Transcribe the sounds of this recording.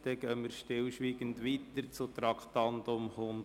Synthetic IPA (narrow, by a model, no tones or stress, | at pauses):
d̥ɛɡ̥œməɾʃtɪlʃʋiːɡəndʋit̪əɾt͡sʊt̪ɾɑkʰt̪ɑntʊmhʊm